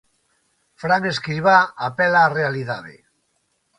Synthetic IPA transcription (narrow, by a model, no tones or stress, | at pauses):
fɾaŋeskɾiβaːpelaːrealiðaðḛ